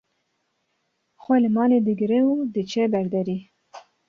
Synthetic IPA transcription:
xwelemɑled̪əɡɾewud̪ət͡ʃebaɾd̪aɾi

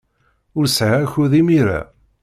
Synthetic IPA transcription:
ʊɾsʕaçuðimiɾa̰

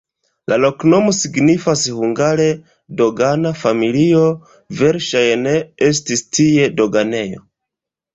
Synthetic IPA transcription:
lalo̞kno̞mo̞siɡnifashuŋɡaɾe̞ | do̞ɡanafamilio̞ | ve̞ɾʃajne̞es̬tistie̞do̞ɡane̞jo̞̰

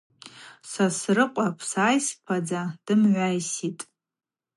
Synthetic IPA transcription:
sasrɨqʷʼapʰsaːjspʰad͡zad̥ɨmʕʷajsitʼ

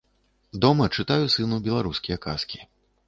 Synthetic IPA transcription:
d̪ɔmɐt͡ʂɨt̪ajusɨnubʲɛlˠaɾuskʲijɐka̰skʲi̥

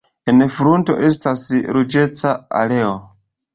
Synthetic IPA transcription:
enfɾunto̞̰ʔe̞stasɾud͡ʒe̞t͡saa̰le̞o

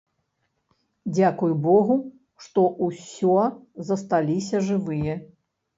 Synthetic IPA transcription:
d͡zʲakujbɔɣu | ʂt̪ɔʔusʲɔzɐst̪alʲisʲɐʐɨvɨjɐ

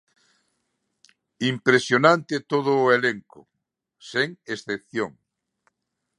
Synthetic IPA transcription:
impɾesjonãnt̪et̪oðʊːeleŋkʊ | seŋesθepθjoŋ

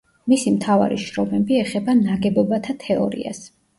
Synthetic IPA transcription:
misimt̪ʰava̰ɾḭʃɾɔmɛbiɛχɛbanaɡɛbɔbat̪ʰat̪ʰɛɔ̰ɾḭa̰s

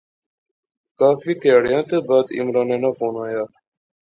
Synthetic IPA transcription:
kaːfiːk̪əjaːɽɪjãːt̪eːbaːd̪ɪ̰mɾaːnẽːnãːfoːnaːjaː

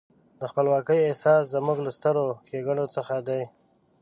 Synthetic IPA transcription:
d̪əxpəlwɑkəjesɑszəmuɡlast̪əɾokeɡaɳot͡səxad̪aj

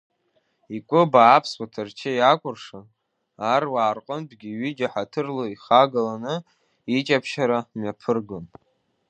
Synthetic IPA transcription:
ikʷʼʊbaːpʰswatʰɨrt͡ʃʰɪjakʷʼʊrʂa | arwaːrqʼənbɡʲiɥɪd͡ʒaħatʰɨrloiχaɡalanɨ | it͡ʃʼapʰʃaɾamɥjapʰɨrɡɨn

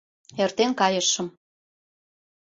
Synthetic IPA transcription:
ert̪enkɑjə̆ʃə̆m

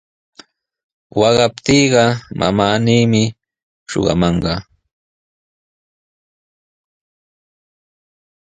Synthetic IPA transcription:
wɑɢɑpt̪iːɢɑma̰maːniːmɪ | ʃo̰ɢɑ̰mɑɴɢɑ

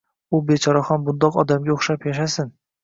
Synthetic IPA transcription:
ʊbe̞t͡ʃʰɒɾahɒnbʊnd̪ɒqɒd̪amɡʲaoχʃapjaʃasɪn

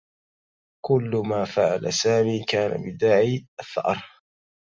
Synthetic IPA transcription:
kʊlːmaːfaʕalasaːmiːkaːna̰bɪd̪aːʕiːʔaθːɑ̰ʔɾˤ

